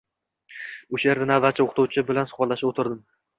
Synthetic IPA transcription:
ʊʃaje̞ɾd̪anavːat̪̚t͡ʃʰaoqʰt̪ʰʊwt͡ʃʰɪbɪlansʊ̥χbɒlˠːaʃɪot̪ʰɪɾd̪ɪm

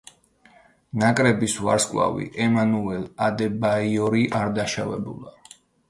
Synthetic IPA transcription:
nakʼɾɛbisva̰ɾskʼla̰vḭʔɛmanuɛlad̪ɛbaiɔɾiʔaɾd̪aʃavɛ̰bṵlˠa

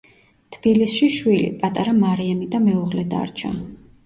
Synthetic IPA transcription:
t̪ʰb̥ilisʃiʃwilḭpʼat̪ʼaɾamaɾiamid̪amɛuʁlɛd̪a̰ɾt͡ʃʰa̰

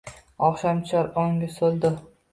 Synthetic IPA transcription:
ɒχʃamt͡ʃʰaɾoŋɡʲɪsolˠd̪ɪ

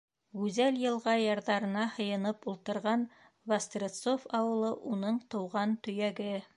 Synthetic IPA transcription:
ɡʉzæljɤ̆lˠʁɑjɑɾðɑɾɤ̆nɑhɤ̆jɤ̆nɤpulˠt̪ɤ̆ɾʁɑn | vɐst̪rʲet̪sofɑwɤ̆lˠɤʔunɤɴt̪ɤ̆wʁɑnt̪ɵ̆jæɡɘ

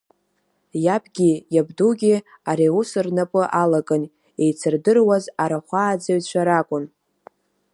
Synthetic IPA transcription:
japʰʼɡʲijabduɡʲi | aɾiusɨrnapʼɨʔalakʼɨn | e̞jt͡sʰɨrdɨrwazaɾaχʷaːd͡zaɥt͡ɕʷʰaɾakʷʼʊn

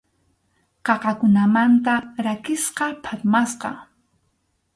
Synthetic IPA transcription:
qɑqɑkʊnamant̪aɾakɪsqɑpʰat̪masqɑ̰

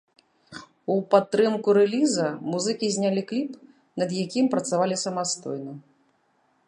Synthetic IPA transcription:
upat̪ːɾɨmkuɾɛlʲizɐmuzɨkʲizʲnʲalʲiklʲip | nɐd̪jakʲimpɾɐt̪savalʲisɐmast̪ɔ̰jnɐ

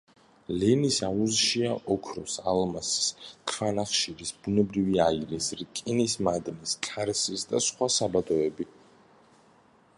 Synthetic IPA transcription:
lɛnisauzʃiaʔɔkʰɾɔsalmasskʰvanaχʃiɾisbunɛbɾiviaiɾisɾkʼinismad̪niskʼaɾsisd̪asχwasabad̪ɔɛbi

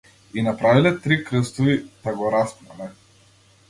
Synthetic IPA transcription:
inapɾavilɛt̪ɾikɾəst̪ɔvit̪aɡɔɾast̪na̰lɛ

